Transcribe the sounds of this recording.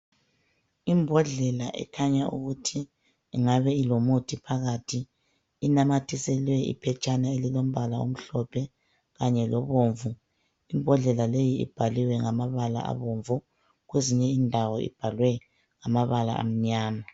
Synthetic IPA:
imbʱɔɮɛlaʔɛ̰kʰaɲaṵɣutʰiː | ŋaβɛilomutʰipʰaɣatʰiː | namatʰisɛlwɛʔḭpʰɛt͡ʃʼanaelilom̩βalao̰m̩ɬɔpʰɛ | ɣaɲɛlɔβoːɱvu | imbʱɔɮɛlalejiḭb̥ʱaliwɛŋamaβala̰a̰βoːɱvu | ɣweziɲɛindʱawɔḭb̥ʱalwɛ | ŋamaβala̰ʔa̰m̩ɲaːma

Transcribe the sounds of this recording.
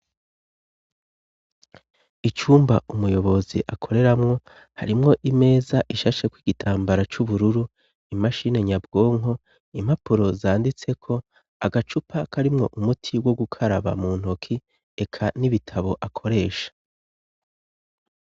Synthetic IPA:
it͡ʃuːmba̰ʔumujo̞βo̞zḭʔakʰo̞ɾe̞ɾamŋo̞ | haɾimŋo̞ʔime̞ːzaʔiʃaʃekwiɡitʰaːmbaɾat͡ʃuβuɾuɾu | imaʃine̞ɲabɡo̞ːŋɦo̞ | im̥apuɾo̞zaːndit͡se̞kʰo̞ | aɡat͡ʃupʰakaɾimŋo̞̰ʔumutʰiwo̞ɡukʰaɾaβa̰muːn̥hokʰi | e̞kʰaniβitʰaβo̞ʔakʰo̞ɾe̞ːʃḁ

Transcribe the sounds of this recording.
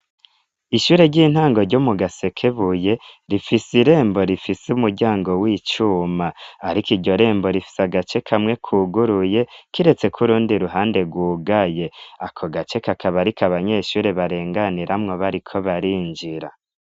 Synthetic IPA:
iʃuːɾe̞ɟiːn̥haːŋɡo̞ɾɟomuɡase̞kʰe̞βuje̞ɾifisiɾe̞ːmbo̞ɾifisumuɾɟaːŋɡo̞wit͡ʃuːmaːɾikiɟo̞ɾe̞ːmbo̞ɾifi̥saɡat͡ʃe̞kʰamŋe̞kʰuːɡuɾuje̞kiɾe̞t͡se̞kʰuɾuːndiɾuɦaːnde̞ɡwuːɡaje̞akʰo̞ɡat͡ʃe̞kakaβaɾikʰaβaɲe̞ːʃuːɾe̞βaɾe̞ːŋɡaniɾʔamŋoβaɾikʰo̞βaɾiːnd͡ʒiɾa

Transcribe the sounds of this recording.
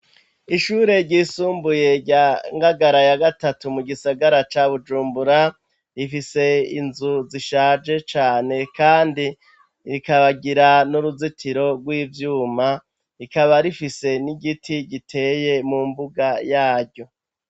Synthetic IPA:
iʃuːɾe̞ɾɟiːsuːmbuje̞ɟaŋɡaɡaɾajaɡatatumuɡisaɡaɾat͡ʃaβud͡ʒuːmbuɾa | ifise̞ḭnzuziʃaːd͡ʒe̞t͡ʃaːne̞kaːndi | ɾikaβaɡiɾanuɾuzitʰiɾo̞ɡwiːvjuːma | ikaβaɾifise̞niɡitʰiɡitʰe̞je̞mumbuɡajaːɾɟo̞

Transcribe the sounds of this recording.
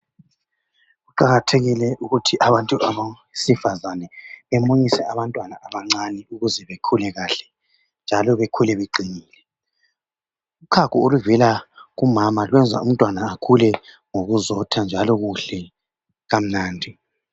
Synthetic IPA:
ɣuǃaɣatʰeɣilɛʔuɣutʰiʔaβantʼuʔaβa | sifazanɛβemoɲisɛʔaβantʼwanaʔaβaŋ͡ǀanɛuɣuzɛβekʰulɛɣaɬɛ | nd͡ʒʱalɔβekʰulɛβeǃʱiniːlɛ | ukʰakʰuoluvilaɣumamalwɛnd͡zʱa̰ṵm̩tʼwanaːkʰulɛ | ŋoɣuzɔtʰand͡ʒʱalɔɣuɬɛ | ɣam̩naːndʱi

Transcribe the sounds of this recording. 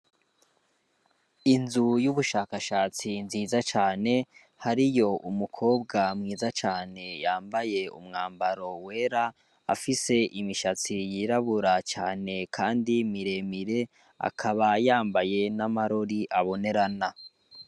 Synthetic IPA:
inzujuβuʃaːkaʃaːt͡sinziːzat͡ʃaːne̞ | haɾijo̞ʔumukʰo̞ːbɡamŋiːzat͡ʃaːne̞jaːmbaje̞ṵmŋaːmbaɾo̞we̞ːɾa | a̰fise̞ʔimiʃat͡sijiɾaβuɾat͡ʃaːne̞kʰaːndimiɾe̞miɾe̞ | a̰kʰaβajaːmbaje̞namaɾo̞ɾiʔaβo̞ne̞ɾana

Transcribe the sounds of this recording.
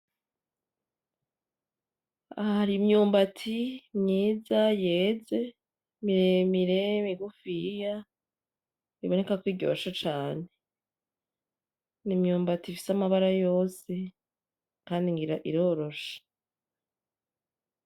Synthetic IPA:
aaɾimɲuːmbatʰimɲiːzajeːze̞ | miɾemiɾe̞miɡufija | iβo̞ne̞kakwiːɟo̞̰ːʃot͡ʃaːne̞ | nimɲuːmbatifi̥samaβaɾajo̞ːse̞ | kaːndiŋɡiɾaʔiɾo̞ːɾo̞ʃḁ

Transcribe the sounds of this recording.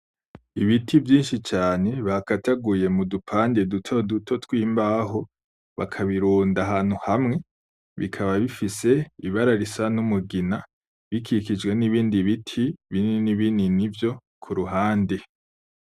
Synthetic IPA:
iβitʰivjiːnʃit͡ʃaːne̞βakataɡuje̞mudupʰaːndedutʰodutʰo̞twiːmbaːɦo | βa̰kʰaβiɾuːndaɦaːn̥huhamŋe̞ | βḭkʰaβaβifise̞iβaɾaɾisanumuɡina | βikʰikid͡ʒɡwe̞niβiːndiβitʰiβininiβininivjo̞ | kʰuɾuɦaːnde

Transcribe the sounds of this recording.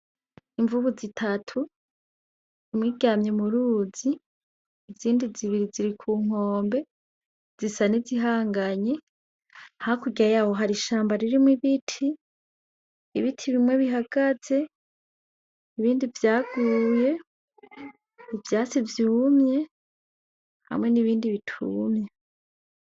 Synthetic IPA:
iɱvuβuzitʰatʰu | imŋiːɡaːmɲemuɾuːziː | vziːndiziβiɾiziɾikʰuːŋ̥o̞ːmbe̞ | z̥isaniziɦaːŋɡaɲe̞ | hhakuɡiajaːho̞ɦaɾiʃaːmbaɾiɾimwiβitʰi | βitʰiβimwe̞βiɦaɡ̥az̥e̞ | iβiːndivjaːɡuje̞ | ivjaːt͡sivjumɲe̞ | ha̰mŋe̞niβiːndiβitʰuːmɲe

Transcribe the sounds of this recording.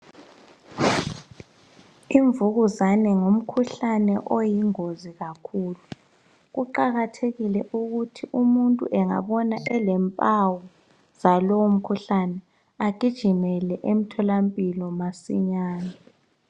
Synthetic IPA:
iɱvuɣuzanɛŋom̩kʰuɬanɛʔojiŋoziɣakʰuːlu | ɣuǃaɣatʰeɣilɛʔuɣutʰiʔumuntʼṵʔɛŋa̰βɔnaʔɛlɛmpʼawɔ | z̥alowom̩kʰuɬanɛ | aɡ̥ʱid̥ʒ̥ʱimɛlɛʔem̩tʰɔlampʼilɔmasḭɲaːna

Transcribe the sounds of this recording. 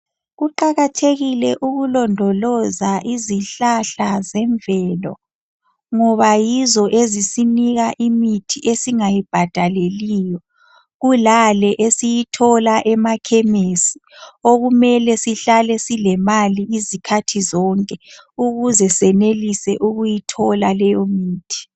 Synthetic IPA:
ɣuǃaɣatʰeɣilɛʔuɣulɔndʱɔlɔzaʔiziɬaɬazɛɱvɛlɔ̰ | ŋɔβajizɔʔezisiniɣaʔimitʰiʔesiŋajib̥ʱad̥ʱalelijɔ | ɣulalɛʔesijitʰɔlaʔɛmakʰɛmesi̥ | oɣumɛlɛsiɬalɛsilɛmaliizikʰatʰizɔŋkʼɛ | uɣuzɛsɛnelisɛʔuɣujitʰɔlalɛjɔmiːtʰi̥

